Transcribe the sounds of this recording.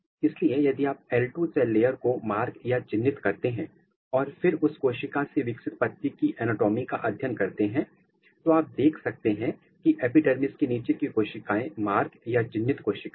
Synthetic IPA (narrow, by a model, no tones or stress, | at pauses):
ɪsliejɐd̪iaːp̚ɛːlʈuːsɛːlːeːjəɾkomaːɾɡjad͡ʒɪnːɪt̪kɐɾt̪eɦɛ̃ː | ɔːɾfɪɾʊskoːʃɪkaseʋɪksɪt̪pɐt̪ːikiʔɛːnoːʈoːmika̰ʔɐd̪ʱjənkɐɾt̪eɦɛ̃ | t̪oaːp̚d̪eːkʰsɐk̚t̪eɦɛ̃ | kiʔɛːpɪɖɛɾmɪskiniːt͡ʃekikoːʃɪkaːẽmaːɾɡjad͡ʒɪnːɪt̪koːʃɪka